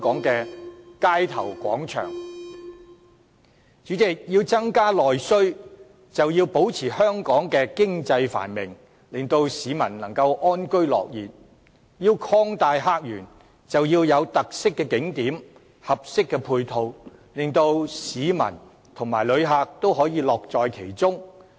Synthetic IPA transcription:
kɔː˨˥ŋkɛː˧kaː˥jt̪ʰɐ̰˨˩wkʷɔ̰ː˨˥ŋt͡ʃʰœ̰ː˨˩ŋ | t͡ʃyː˨˥t͡sɪ˨k̚jiː˧wt͡sɐ˥ŋkaː˥lɔː˨jsɵ˥ɥ | t͡sɐ˨wjiː˧wpo˨˥wt͡sʰiː˨˩hœː˥ŋkɔː˨˥ŋkɛː˧kɪ˥ŋt͡sɐ˧jfa̰ː˨˩nmɪ̰˨˩ŋ | lɪ˨ŋt̪o˧wsiː˨˧mɐ̰˨˩nlɐ˨˩ŋkɐ˧wʔɔː˥nkɵ˥ɥlɔ̰ː˨k̚jiː˨˩t̚ | jiː˧wkʰɔː˥ŋt̪aː˨˧jɦaː˧k̚jyː˨˩n | t͡sɐ˨wjiː˧wjɐ˨˧wt̪ɐ˨k̚sɪ˥kːɛ˧kɪ˨˥ŋt̪iː˨˥m | hɐ˨p̚sɪ˥kːɛ˧pʰuː˧jt̪ʰo˨w | lɪ˨ŋt̪o˧wsiː˨˧˥mɐ̰˨˩n | t̪ʰʊ˨˩ŋmaː˨˩jlɵ˨˧ɥɦaː˨˧k̚t̪o˥wɦɔː˨˥jiː˨˧lɔː˨k̚t͡sɔː˨jkʰe˨˩jt͡sʊ˥ŋ

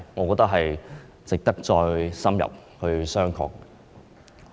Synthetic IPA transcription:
ŋɔː˨˧kɔː˧t̪ɐ˥ɦɐ˨j | t͡sɪ˨k̚t̪ɐ˥k̚t͡sɔː˧jsɐ˥mjɐ̰˨p̚hɵ˧ɥsœː˥ŋkʰɔ̰ː˧˥kːɛ

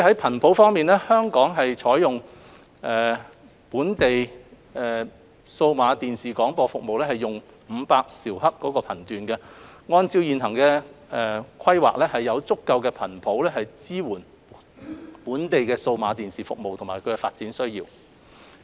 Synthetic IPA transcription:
ɦɐ˨˥jpʰɐ˨˩npʰo˨˥wfɔː˥ŋmiː˨nlɛ˥hœː˥ŋkɔː˨˥ŋɦɐ˨jt͡ʃʰɔː˨˥jʊ˨ŋ | ʔɛː˨˩ | puː˨˥nt̪e˨j | ɛ˨ | so˧wmaː˨˧t̪iː˨nsiː˨kɔː˨˥ŋpɔː˧fʊ˨k̚mo˨wlɛː˥hɐ˨jːʊ˨ŋ | m̩˨˧paː˧k̚siː˨˩whɐ˥kkːɔː˨˥kɔː˧pʰɐ˨˩nt̪yː˨nkɛ˧ŋɔː˧nt͡siː˧wjiː˨nɦɐ˨˩ŋkɛː˧ɛ˧kʷʰɐ˥jwa̰ː˨k̚lɛː˥hɐ˨jːɐ˨˧wt͡sʊ˥kːɐ˧wkɛː˧pʰɐ˨˩npʰo˨˥wlɛː˥ɦɐ˨jt͡siː˥wuː˨˩n | puː˨˥nt̪e˨jkɛː˧so˧wmaː˨˧t̪iː˨nsiː˨˩fʊ̰˨k̚mo˨wt̪ʰʊ˨˩maː˨˩jkʰɵ˨˧ɥkɛ˧faː˧t̚t͡siː˨˥nsɵ˥ɥjiː˧w

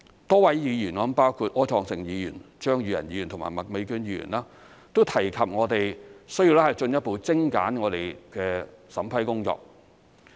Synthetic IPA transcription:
t̪ɔː˥wɐ˨˥jjiː˨˧jy˨˩nɔː˨˥paː˥wkʰuː˧t̚ʔɔː˥t͡ʃʰɔː˨˧ŋsɪ˨ŋjiː˨˧jyː˨˩nt͡ʃœː˥ŋjyː˨˧jɐ̰˨˩njiː˨˧y˨nt̪ʰʊ˨˩ma̰ː˨˩jmɐ˨˩k̚me˨˧kyː˧˥njiː˧˥jy̰˨˩nlaː˥ | t̪o˥wt̪ʰɐ˨˩jkʰɐ˨p̚ŋɔː˨˧t̪e˨jsɵ˥jiː˧wlɛ˥hɐ˨˩jt͡ʃɵ˧njɐ˥t̚po˨˧wt͡sɪ˥ŋka̰ː˨˥nŋɔː˨˧t̪e˨jkɛː˧sɐ˨˥mpʰɐ˨˥jkʊ˥ŋt͡sɔ̰ː˧k̚

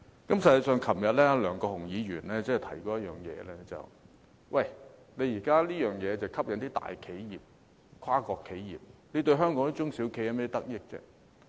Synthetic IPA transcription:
kɐ˨˥msɐ˧jɐ˨˧sœː˨ŋkʰɐ˨˩mjɐ˨t̚lɛː˥lœː˨˩ŋkɔː˧hʊ˨˩ŋjiː˨˧ɥyː˨˩nlɛː˥t͡sɛ˥˨t̪ʰɐ˨˩jkɔː˧˦jɐ˥t̚jœ̰ː˨ŋjɛ̰ː˨˧lɛː˥t͡sɐ̰˨w | wʔɐ˨˩jne˨˧jiː˨˩kaː˥liː˥jœː˨˩ŋjɛː˨˧t͡sɐ˨wkʰɐ˥p̚jɐ˨nt̪iː˥t̪a̰ː˨jkʰe˨˥jjiː˨p̚ | kʰaː˥kɔː˧kʰːe˨˥jjḭː˨˩p̚ne˨˧jt̪ɵ˧ɥɦœː˥ŋkɔː˨˥ŋn˥t͡ʃʊ˥ŋsiː˨˥wkʰe˧ja˧mɛ˥t̪i˥t̪ɐ˥k̚jɪ˥k̚t͡sɛ̰ː˥

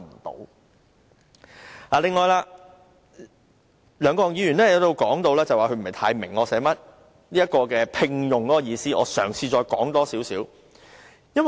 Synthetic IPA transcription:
m̩˨˩t̪o̰˨˧w | aː˨lɪ˨ŋːɔː˨˧jlaː˧ | lœː˨˧ŋkɔː˧˨ŋjiː˨˧jyː˨˩nlɛː˥jɐ˨˧wt̪o˧wkɔː˨˥ŋt̪o˧wlɛː˥t͡sɐ˨waː˨kʰɵ˧m̩˨˩˨ɐ˨jt̪ʰaː˧jmɪ˨˩ŋːɔː˨˧sɛː˨˥mɐ˥t̚ | liː˥jɐ˥t̚kɔː˧kɛː˧pʰɪ˧ŋjʊ˨ŋkɔː˨˦˥kɔ˧jiː˧siː˥ʔɔ̰ː˨˧sœː˨˩ŋsiː˧t͡ʃɔː˧jkɔ̰ː˨˥ŋt̪ɔː˥siː˨˥wsiː˨˥w | jɐ˥n˨

